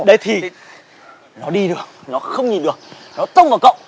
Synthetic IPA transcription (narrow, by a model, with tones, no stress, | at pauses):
ɗə˨˦jt̪ʰi˨˩ | nɔ˨˦ɗi˧ɗɨ˨˩ək̚nɔ˨˦xə˧wŋ͡mɲi˨˩nɗɨ˨˩ək̚nɔ˨˦t̪ə˧wŋ͡mvaː˨˩wkə̰˧˨wŋ͡m